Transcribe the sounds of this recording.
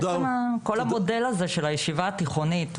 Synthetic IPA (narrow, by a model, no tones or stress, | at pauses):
mako̞lamo̞de̞lazeʃelajeʃivaːt̪iχo̞nit̪